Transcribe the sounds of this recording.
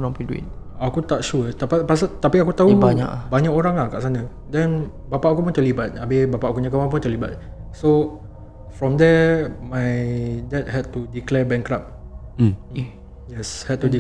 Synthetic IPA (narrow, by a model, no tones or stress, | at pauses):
onaŋpiduḭt̚akut̪aʔʃut̪apapasat̪apiakut̪aubaɲa̰ʔbaɲakoɾaŋlahkaʔsanə | dɛn | bapaʔkupunt̪əlibat̪̚abebapaʔkuɲãk̬amãp̬ʊnt̪əliba̰t̪̚so | fɹɔmd̪ɛmajdɛt̚hɛd̚tudiklɛbɛŋkɾap̚ | jɛshɛd̚t̪udi